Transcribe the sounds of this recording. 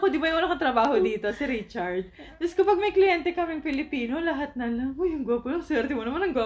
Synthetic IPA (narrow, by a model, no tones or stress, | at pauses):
ɐkod̪ɪbɐjʊɐlɐkɐt̪ɾɐbaːɦo̞d̪iːt̪o̞sɪɾɪt͡ʃɐɹd̪̚ | ɪskɐpɐɡ̚mɐjklɪjɛnt̪ɛkɐmɪŋpɪlɪpiːno̞lɐɦat̪̚nɐlɐojʊŋɡʊapʊnosɛɾd̪ɪmonɐmɐnɐŋɡa